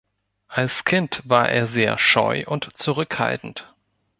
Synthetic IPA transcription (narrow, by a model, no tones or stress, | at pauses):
ʔalskʰɪntv̥aːɐʔḛːɐzeːɐʃɔ̰ʏʔʊntt͡suʁʏkha̰ltn̩t